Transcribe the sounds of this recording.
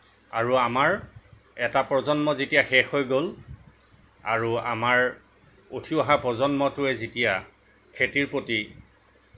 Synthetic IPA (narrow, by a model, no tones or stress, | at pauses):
a̰ɹuamaɹ | ɛtapɹɔzɔnmɔzetijaxɛxojɡol | a̰ɹua̰maɹ | otʰiɔɦapɹɔzɔnmɔtʊɛzetija | kʰetiɹpoti